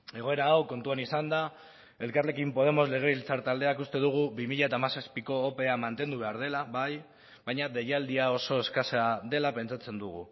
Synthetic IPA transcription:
e̞ɣ̞o̞e̞ɾaːwko̞nt̪uanisand̪a | e̞lkarle̞kimpo̞ð̞e̞mo̞zle̞ɣ̞e̞βilt͡saɾt̪ald̪e̞akust̪e̞ðuɣ̞uβimiʎaet̪amasaspiko̞ːpe̞amant̪e̞nd̪uβe̞aɾð̞e̞laβaj | βajɲaðe̞jald̪iao̞so̞e̞skaseaðe̞lape̞nt͡sat͡se̞nd̪uɣ̞ṵ

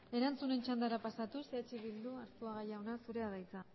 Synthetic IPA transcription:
e̞ɾant͡sune̞nt͡ʃand̪aɾapasat̪uset͡ʃiβild̪uaɾt͡s̪uaɣajaonasuɾe̞aβajt͡sa

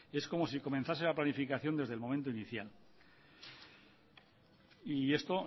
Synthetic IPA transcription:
e̞sko̞mo̞siko̞mẽ̞nθase̞laplanifikaθjo̞nd̪eðelmomẽnt̪̬oiniθjal | ie̞st̪o̞

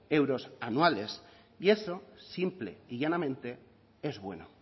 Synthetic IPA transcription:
ewɾo̞sanwale̞s | ie̞sosimple̞̰iʝanamẽ̞nt̪e̞ | e̞zβwe̞̰no

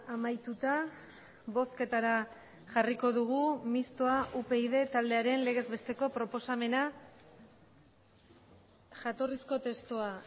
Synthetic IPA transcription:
amajt̪ut̪a | βo̞ske̞t̪aɾa | ʝariko̞ðuɣ̞umist̪o̞aʔupe̞ið̞e̞t̪ald̪e̞aɾe̞nle̞ɣ̞e̞zbe̞st̪e̞ko̞pɾo̞po̞same̞na | ʝat̪o̞risko̞t̪e̞st̪oa

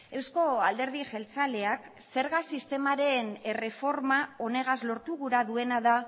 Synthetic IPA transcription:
e̞wsko̞ald̪e̞ɾðiʝe̞lt͡sale̞akse̞ɾɣasist̪e̞maɾe̞nere̞fo̞ɾmao̞ne̞ɣ̞azlo̞ɾt̪uɣuɾaðue̞naða

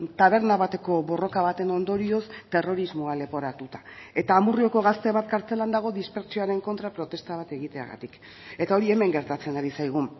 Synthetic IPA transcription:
t̪aβ̞e̞ɾnaβat̪e̞ko̞βo̞ro̞kaβ̞at̪e̞no̞nd̪o̞ɾio̞st̪e̞ro̞ɾizmoale̞po̞ɾat̪ut̪ḁe̞t̪aːmurio̞ko̞ɣ̞ast̪e̞βat̪̚kaɾt͡se̞land̪aɣ̞o̞ðispe̞ɾt͡sio̞aɾe̞ŋko̞nt̪ɾapɾo̞t̪e̞st̪aβ̞at̪e̞ɣ̞it̪e̞a̰ɣa̰t̪ik | e̞t̪ao̞ɾie̞me̞ŋɡe̞ɾt̪at͡se̞naɾisajɣ̞un

